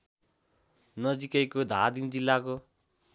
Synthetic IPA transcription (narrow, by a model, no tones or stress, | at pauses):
nʌd͡zikʌjkod̪ʱad̪ind͡zilːako